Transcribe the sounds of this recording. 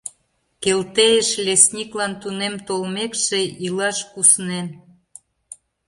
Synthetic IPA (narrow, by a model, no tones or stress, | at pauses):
kelt̪ejeʃlʲesnʲiklɑnt̪unemt̪olmekʃĕilɑʃkusnen